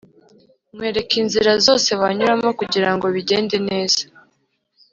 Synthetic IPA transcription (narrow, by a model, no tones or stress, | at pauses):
mŋwe̞ːɾe̞kinziɾazo̞ːse̞βaɲuɾamokuɟiɾaŋɡo̞βiɟe̞ːndene̞ːz̥a